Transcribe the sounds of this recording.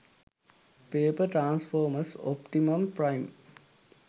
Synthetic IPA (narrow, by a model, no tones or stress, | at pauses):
peːpəʈɾãːnsfʰoːməso̰pʈimɐmpɾajm